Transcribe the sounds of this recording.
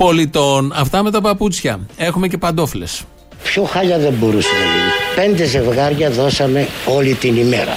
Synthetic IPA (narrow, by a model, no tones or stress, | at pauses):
po̞lit̪o̞nɐft̪ɐme̞t̪ɐpɐput͡sçɐe̞xume̞cepɐnd̪o̞fle̞s | pçoxɐʎɐðe̞mbo̞ɾusenɐʝinipe̞nd̪e̞ze̞vɣɐɾʝɐðo̞sɐme̞o̞lit̪inime̞ɾɐ̰